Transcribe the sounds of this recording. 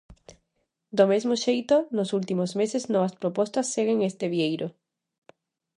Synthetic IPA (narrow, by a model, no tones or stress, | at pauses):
d̪omezmoʃejt̪onosult̪imozmeseznoβɐspɾopɔst̪ɐsːeɣ̞eŋest̪eβiejɾo